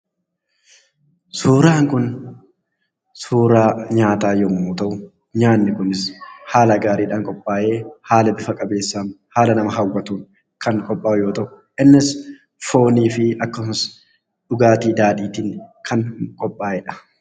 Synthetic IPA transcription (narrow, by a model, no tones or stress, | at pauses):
suːɾaːŋkʊn | suːɾaːɲaːt̪aːjɔmuːt̪ɐʔʊ | ɲaːnːɪkʊnɪshaːlɐɡaːɾiːᶑaːŋkʼɔpʼːaːʔe̞ːhaːlɐbɪfɐkʼɐbe̞ːsːaːmhaːlɐnɐmɐɦɐwːɐt̪uːn | kɐŋkʼɔpʼːaːʊjo̞ːt̪ɐʔʊ | ʔɪnːɪs | fo̞ːniːfɪɐkːɐss | ᶑʊɡaːt̪iːd̪aːᶑiːt̪iːnkʰɐŋkʼɔpʼːaːʔɛːᶑɐ̥